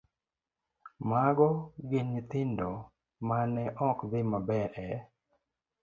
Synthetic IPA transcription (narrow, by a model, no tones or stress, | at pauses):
maɡɔɡɪnit̪ɪndɔ | manɛʔɔkd̪ɪmabɛɾʔɛ